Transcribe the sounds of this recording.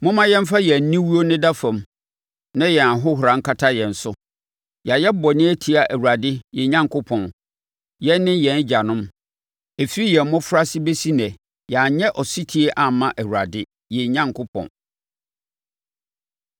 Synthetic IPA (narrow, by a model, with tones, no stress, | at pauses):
mʊ̃˦mã˦jɛ̃˦m˦fa˦jɛ˨n̩˦nĩ˦wu˦o˦nɪ̃˦da˦fã˨m | nã˦jɛ˨a˨ɦʊ˦ɦʊ˨ɾã˨˦ŋ̩˦kʰa˦tʰa˦jɛ̃˨n̩˨sʊ˦ | ja˨jɛ˦bɔ˨nɪ̃˦æ˦tʰi˨a˨ʔæ˨wu˨ɾa˨dɪ˦jɛ˨ɲã˦ŋkʰʊ˦pʰɔ̃˨n | jɛ˦nːɪ̃˦jɛ̃˨n˦d͡ʑa˨nʊ̃˦m | e˨fi˦i˦jɛ˨m˦mʊ̃˦fʊ˦ɾa˦sɪ˦be˦si˦nɛ̃˨ | jɛ˨a˨ɲɛ˦ʔɔ˨si˦tʰi˦e˦ʔa˨mã˦ʔæ˨wu˨ɾa˨dɪ˦ | jɛ˨ɲã˦ŋkʰʊ˦pʰɔ̰̃˨n